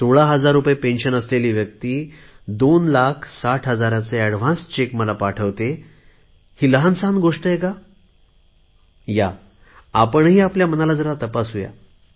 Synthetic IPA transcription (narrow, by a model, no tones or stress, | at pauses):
soɭaɦəd͡zaɾːupjepẽnɕənəsleliːʋjək̚t̪iː | d̪onlakʰsaʈʰɦəd͡zaɾãt͡seæɽʋ̤ãnst͡ɕekməlapaʈʰəʋt̪e | hiːləɦansãnɡoʂʈəjeka | ja | apəɳɦiːapljam̤ənalad͡zəɾat̪əpasɦuja̰